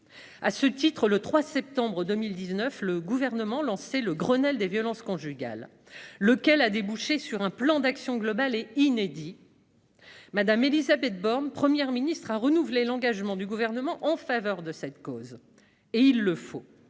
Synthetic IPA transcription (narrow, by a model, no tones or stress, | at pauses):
asət̪it̪χələt̪χwasɛp̚t̪ɑ̃bʁəd̪əmild̪iznœfləɡuvɛʁnəmɑ̃lɑ̃seləɡʁənɛld̪evjɔlɑ̃skɔ̃ʒyɡa̰lː | əkʲɛlad̪ebuʃesyʁɛ̃plɑ̃d̪aksjɔ̃ɡlɔbaleined̪i | mad̪amelizabɛt̪̚bɔʁnpχəmjɛʁminist̪χaʁənuvlelɑ̃ɡaʒmɑ̃d̪yɡuvɛʁnəmɑ̃ʔɑ̃favœʁd̪əsɛt̪koz | eilːəfo